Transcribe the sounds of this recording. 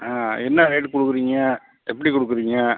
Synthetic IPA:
aːɛnːɐɾeːʈkɔɽɯkːɯɾiːŋɡɐ | ɛpːɐɽikɔɽɯk̬ːɯɾiːŋɡɐ

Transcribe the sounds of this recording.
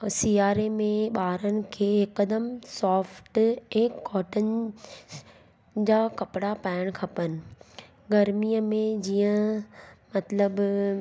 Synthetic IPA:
siːaːɾemẽɓaːɾənɪ̆kʰeːɪkəd̪əmsɔːfʈɛ̃ːkɔːʈənɪ̆ | d͡ʑaːkɐpɽapaːɪəɽ̃kʰɐpənɪ̆ | ɡɐɾmijəmẽd͡ʑiːə̃ | mɐt̪ləb

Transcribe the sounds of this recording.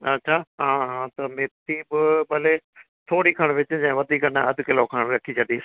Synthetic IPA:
ɐ̰tːɕʰaːɦãːɦãːt̪ɐmeːt̪ʰiːbɪbɐle | t̪ʰoːɽikʰɐɽ̃ʋɪt͡ɕɪd͡ʑɐ̃ʋɐd̪ʱiːkɐnaɐd̪ʱʊkɪlokʰɐɽ̃ɾɐkʰit͡ɕʰɐɗ̪iːs

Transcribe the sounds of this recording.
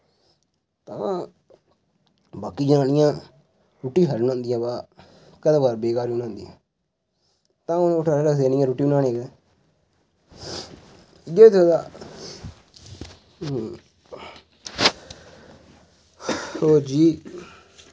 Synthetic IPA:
t̪ã̰ː | baːkiːd͡ʒənaːnɪjãː | ɾuːʈːiːɦəɾnãːnd̪ɪjãːbaː | kəd̪aːbaːɾbeːkaːɾiʊnãːnd̪ɪjã̰ː | t̪ãːʊnːʊʈʰaːɾeːɾəkʰd̪eːnɪ̃jãːɾuːʈːiːʊnaːneːɡɛː | jeːt̪ʰod̪aː | oːd͡ʒiː

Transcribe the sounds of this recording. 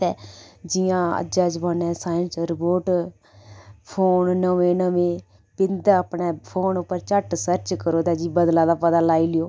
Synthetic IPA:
ɛːd͡ʒɪjãːə̰d͡ʒaːd͡ʒbaːnɛ̃ːsaːjənsɾɪpoːʈ | pʰoːnnəʋẽːnəʋẽː | pɪnd̪aəpɳɛːpʰoːnʊpːəɾt͡ʃəʈsəɾt͡ʃkəɾoːd̪ɛːd͡ʒiːbəd̪lãːd̪aːpəd̪aːlaːiːlɪjoː

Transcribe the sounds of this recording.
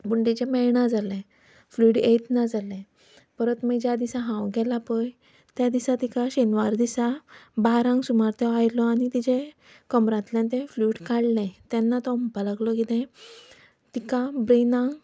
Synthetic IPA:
buɳɖet͡ɕemɛjɳad͡zalɛ̃ | fluːʈjet̪nad͡zalɛ̃ | pəɾət̪məd͡ʑad̪isaɦãwɡʱɛlapəj | t̪jad̪isat̪ikaɕenʋaɾd̪isabaɾãŋɡsumaɾt̪ɛajlɔañit̪id͡ʑẽ | kəmɾãt̪ljãnt̪ẽfluːʈkaɽlɛ̃t̪anːat̪ɔmpalaɡlɔkit̪ɛ̃ | t̪ikabɾenãɡ

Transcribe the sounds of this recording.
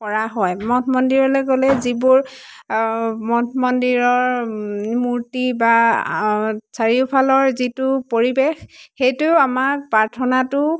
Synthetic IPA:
kɔɹaɦɔjmɔtʰɔmɔndiɹɔlɔjɡɔlɛzibuɹ | mɔtʰmɔndiɹɔɹ | muɹtiba | saɹiʊpʰalɔɹzitʊpoɹibexxejtʊamak̚paɹtʰɔnatʊ

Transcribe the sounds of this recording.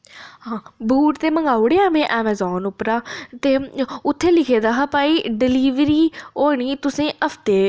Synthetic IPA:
ɦãːbʱuːʈt̪eːməŋɡaːʊɽeːaːmẽːʔɛːmɛːzɔːnʊpɾaːt̪eːʊt̪ʰːeːlɪkʰeːd̪aːɦapaːiːɖɪliːʋɾiːoːɳ̃iːt̪ʊsẽːʔəpʰt̪eː

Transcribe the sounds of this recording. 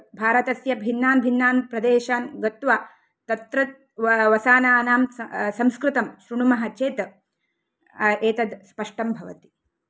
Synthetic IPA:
bʱaːɾɐt̪ɐsjɐbʱinːaːnbʱinːaːnpɾɐd̪eːʃaːnɡɐt̪ʋaː | t̪ɐt̪ɾɐt̪̚ | ʋɐsaːnaːnaːmsɐmskɾɪt̪ɐmʃɾuɳumɐɦɐt͡ʃeːt̪ɐ | eːt̪ɐd̪spɐʂʈɐmbʱɐʋɐ̰t̪i̥

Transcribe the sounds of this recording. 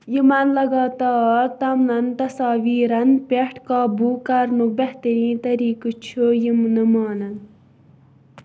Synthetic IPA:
jimɐnlɐɡaːt̪aːɾt̪ɐmnɐnt̪ɐsaːʋiːɾɐnpeʈʰkaːbukɐɾnuk̚bɐht̪ɐɾĩt̪ɐɾiːkɨt͡ʃʰujimnɨmaːnɐn

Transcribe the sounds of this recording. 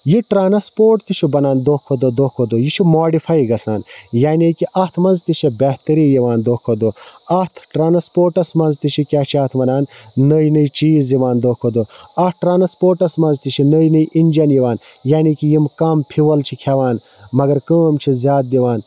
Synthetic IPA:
jiʈɾaːnɐspoːʈt̪it͡ʃʰibɐnaːnd̪okʰːod̪od̪oːkʰod̪ojit͡ʃʰimoːɖifajɡɐsaːnjaːnikiʔɐt̪ʰmɐnzt̪it͡ʃʰibeht̪ɐɾiːjiʋaːnd̪oːkʰːod̪o | ɐt̪ʰʈɾaːnɐspoːɾʈɐsmɐnzt̪it͡ʃʰikʲaːt͡ʃʰiɐːt̪ʰmɐnaːnː | əjnɨit͡ʃiːzjiʋaːnd̪oːkʰːod̪o | ɐʈɾaːnɐspoːɾʈɐsmɐnzt̪it͡ʃʰinəjnɨjʔinʲd͡ʒɐnjiʋaːn | jaːnikijimkɐmpʰiʋɐlt͡ʃʰikʲʰaʋaːn | mɐɡɐɾkəːmt͡ʃʰizjaːt̪̚d̪iʋaːn

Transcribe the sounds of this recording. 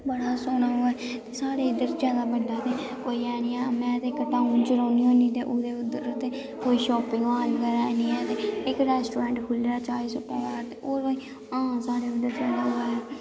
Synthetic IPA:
bəɽaːsoːnaːoːɛː | t̪eːsaːɽeːɪd̪əɾd͡ʒjaːd̪aːbəɖaːt̪eː | oːiːɛːniːaːmɛ̃ːt̪eːɪkʈaːũːnt͡ʃʊɾaːniːɦõːniːt̪eːʔʊd̪eːʊd̪əɾʊt̪ːeː | koːiːʃɔːpɪŋɡaːlkəɾaɛːniːɛːt̪eːɪkɾɛːsʈoːɾãːɳʈkʰʊlaːt͡ʃaːiːsʊpaːaːt̪eːʔoːɾbaiː | ãːsaːɽeːʊd̪əɾd͡ʒjaːd̪aːɦoːaːɛː

